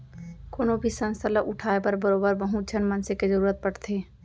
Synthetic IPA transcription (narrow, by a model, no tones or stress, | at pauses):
koːnobʱisə̃nst̪ʰələʔʊʈʰaːepəɾbəɾoːbəɾbəɦud͡ʒʰʱənmənsekezəɾuːɾət̪̚pəɽt̪ʰeː